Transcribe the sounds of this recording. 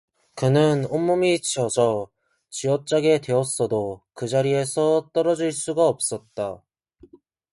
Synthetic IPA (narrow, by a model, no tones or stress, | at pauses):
kɯnɯnomːumit͡ɕiʌd͡ʑʌ | t͡ɕiwʌt͡ɕ͈aɡe̞twe̞ʌs͈ʌdokɯd͡ʑaɾie̞sʰʌt͈ʌɾʌd͡ʑiɭs͈uɡaʌp̚s͈ʌt̚t͈a